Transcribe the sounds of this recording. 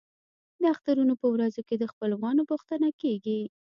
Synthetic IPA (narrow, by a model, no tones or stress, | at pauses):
d̪əaxt̪aɾunopəwɾazoked̪əxpəlwɣɑnobʊxt̪aənakeɡi